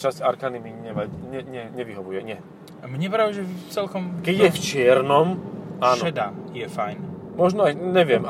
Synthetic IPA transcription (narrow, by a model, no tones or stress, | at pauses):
t͡ʃasaɾkanimiɲɛmacɲɛɲɛɲɛʋiɦɔʋujɛɲɪɛ | mɲɛpɾaɛʒɛt͡sɛlkɔmkɛɟjɛft͡ʃɪɛɾnɔmaːnɔɛd̪ajɛfajnmɔʒnɔajɲɛʋɪɛm